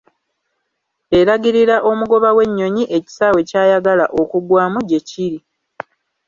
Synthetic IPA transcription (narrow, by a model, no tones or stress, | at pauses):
e̞ɾaɡiɾiɾaʔo̞muɡo̞βawe̞ɲːo̞ɲiʔe̞ci̥sawe̞caːjaɡalaʔo̞kuɡwaːmuɟe̞ciɾi